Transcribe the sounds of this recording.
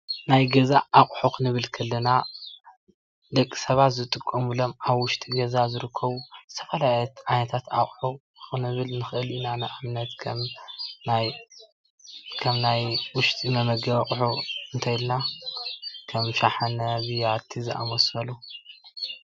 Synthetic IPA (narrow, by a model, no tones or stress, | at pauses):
najɡɐzaʔːχʼħukɨnɨβɨlkʰɐlːɐna | d̪ɐkʼːi̥sɐβat̪zɨt̪ʼɨkʼːɐmɨlo̞maβwʊʃt̪ʼiɡɐzazɨɾɨkʰːɐβuzɨ̥t̪ʰɐfɐlajɛt̪ʕajnɐt̪ʰat̪akʼħu | kɨnɨβɨlnɨxʔɨlinanɨʔamnɐt̪kʰɐmnaj | kʰɐmnajwʊʃt̪ʼimɐmɐɡɐβkʼħuɨnt̪ʰajlna | kʰɐmʃaħanɐβijat̪ʰːizɨʔa̰mosɐlu